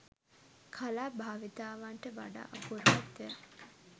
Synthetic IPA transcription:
kʰalaːbʱaːʋit̪aːʋaɳʈəʋa̰ɖa̰ːʔakuɾmat̪ːeak

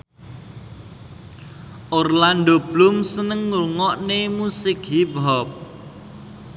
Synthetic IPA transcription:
ʔorland̪ob̥lʊmsənəŋːuuŋɔʔnemusɪkɦibɦɔp̚

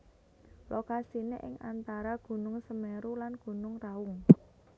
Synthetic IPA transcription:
lokasineʔɪŋʔa̰nt̪aɾaɡ̥ṳnʊŋsəmeɾulanɡ̥ṳnʊŋraʊŋ

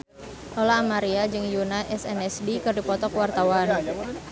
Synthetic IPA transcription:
ʔɔlaːmaɾiad͡ʒɨŋjunaʔɛsɛnɛsdikɨrdipɔt̪ɔkwart̪awan

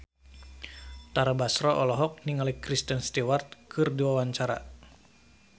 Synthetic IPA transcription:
t̪aɾabasɾɔʔɔlɔɦɔk̚niŋalikɾist̪ənst̪ewart̪̚kʰɨrdiwawaɲt͡ʃaɾa̰

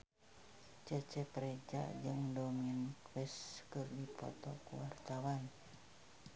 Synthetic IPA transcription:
t͡ʃət͡ʃɛpɾed͡ʒa̰ʔd͡ʒəŋdominkwɛskɨrdipɔ̰t̪ɔkuwart̪awan

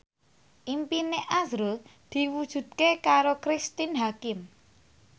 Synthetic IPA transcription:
ʔimpineʔazɾʊld̪̥i̤wud̥ʒ̥ṳd̪̚kekaɾokɾist̪inɦakɪm

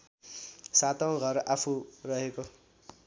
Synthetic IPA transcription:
sat̪aw̃ɡʱʌrapʰurʌɦeko

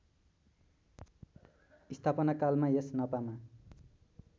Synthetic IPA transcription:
ist̪ʰapʌnakalmajesnʌpama

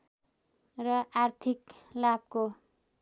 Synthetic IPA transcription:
rʌart̪ʰiklab̚ko

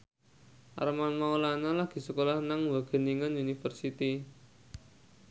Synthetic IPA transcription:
ʔa̰ɾəmanmaulanalahɡ̥i̤səkolahnaŋwaɡ̥ə̤niŋanunifərsit̪i

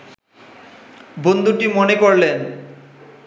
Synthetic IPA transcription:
bond̪ʱuʈimonekoɾlen

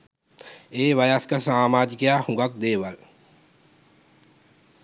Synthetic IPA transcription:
eːʋɐjaskasaːmaːd͡ʒ̪kjahũɡak̚d̪eːʋɐl

